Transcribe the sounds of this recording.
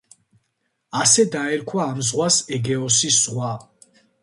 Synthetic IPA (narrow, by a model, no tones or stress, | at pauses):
asɛd̪aɛɾkʰwaːmzʁwasɛɡɛɔsisʁwa